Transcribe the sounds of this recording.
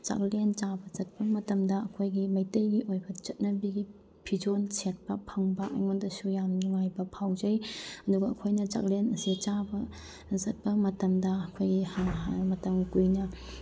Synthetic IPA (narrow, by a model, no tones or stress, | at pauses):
t͡ʃa̰klent͡ʃabɐzɐt̚pɐmɐtɐmdɐɐkʰojɡimɐjtɐjɡiʔojbɐt͡ʃɐt̚nɐbiɡi | pʰid͡ʒonset̚pɐpʰɐŋbɐʔɐ̰jŋondɐsujamnuŋajbɐpʰawd͡ʒɐjɐduɡɐːkʰojnɐt͡ʃa̰klenɐsit͡ʃabɐ | zɐt̚pɐmɐtɐmdɐɐkʰojɡimɐtɐmkujnɐ